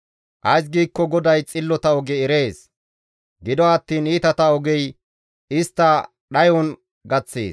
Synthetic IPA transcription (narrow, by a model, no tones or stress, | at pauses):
ʔɐjs̬ɡiːkːɔɡɔd̪ɐjt͡sʼɪlːɔt̪ɐɔɡɛɛɾe̞ːs | ɡɪd̪ɔɐt̪ːiːniːt̪ɐt̪ɐɔɡɛj | ɪst̪ːɐ | ɗɐjɔn | ɡɐt͡sːḛːs